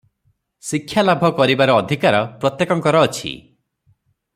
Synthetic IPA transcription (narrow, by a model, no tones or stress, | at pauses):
sikʰːjalabʱɔkɔɾibaɾɔːd̪ʱikaɾɔpɾɔt̪jekɔŋkɔɾɔːt͡ʃʰḭ